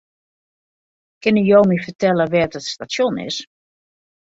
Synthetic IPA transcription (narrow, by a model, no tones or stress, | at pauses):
kɪnəjowmifərtɛləʋɛdɔtstasjonɪ̰s